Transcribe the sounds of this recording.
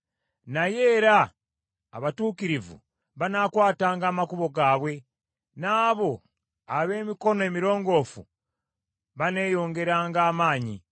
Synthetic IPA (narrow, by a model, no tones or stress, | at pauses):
naje̞ːɾaː | βatuːkiɾivṵ | βanaːkwaːtaːŋɡaːmakuβo̞ɡaːβwe̞ | naːβo̞ | aβe̞ːmiko̞noe̞ːmiɾo̞ːŋɡo̞ːfṵ | βane̞jo̞ːŋɡe̞ɾaːŋɡaːmaːɲḭ